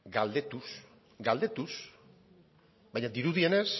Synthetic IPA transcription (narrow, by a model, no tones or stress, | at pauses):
ɡald̪et̪us | ɡald̪e̞t̪us | bajɲad̪iɾuðiene̞s